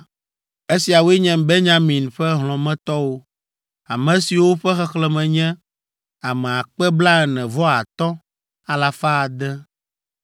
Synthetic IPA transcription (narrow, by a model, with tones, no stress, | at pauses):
e˦si˨a˨wo˦ɛ˦ɲɛ̃˨be˦ɲã˦mĩ˨nɸɛ˦ɦlɔ̃˨mɛ̃˦t̪ɔ˦wo˦ | a˨mɛ̃˨si˨wo˦ɸɛ˦xɛ˦xlɛ˨mɛ̃˨ɲɛ̃˦ | a˨mɛ̃˨a˨k͡pɛ˦bla˦ɛ˨nɛ̃˨vɔ˦a˨t̪ɔ˦ | a˨la˨fa˦˨d̪ɛ˦